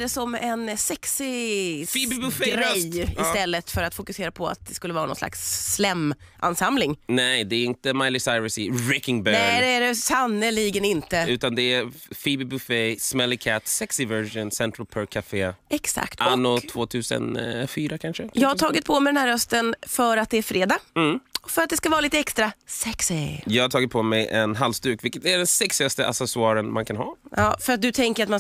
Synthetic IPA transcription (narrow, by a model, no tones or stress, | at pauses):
d̪ɛsɔmɛnsɛksɪfibbfɾɛjɪst̪ɛlːət̪fœɾat̪fʊkɵseːɾapʰɔa̰t̪̚d̪ɛskɵlːəvɑːɾanɔ̰nsla̰ksːlɛmː | ʔa̰nsamlɪŋnɛjd̪ɛɛɾɪnt̪əmajlɪsaɪɾəsɪɾɛkɪŋbɛnɛjd̪ɛæɖɛsanːəliːɡənɪnt̪əʉ̟ːt̪and̪ɛɛfibɪbʉfesmɛlːɪkʰɛt̪ːsɛksɪvɛʂʊnsɛnt̪ʰɾalpʰœɾkʰafeːɛksa̰kt̪anːʊt̪ʰvoːt̪ʰʉ̟ːsə̰nfyːɾakʰanʂəjɑːɡhaʈ̪ʰɑːɡɪt̪̚pʰɔmɛd̪ɛnæːɾhœst̪ənfœɾat̪̚d̪ɛæɾfɾeːd̪aːɔfœɾat̪̚d̪ɛskavɑːɾliːt̪əɛkst̪ɾasɛksɪjɑːɡhatʰɑːɡɪt̪̚pʰɔmɛjʔɛnɦalst̪ʉ̟ːkvɪlkːət̪æɖɛnsɛksɪast̪əʔa̰sɛsʊɑːɾənmankʰanhɑ̰ːjɑːfœɾat̪̚d̪ɵt̪ʰɛŋkəɾat̪ma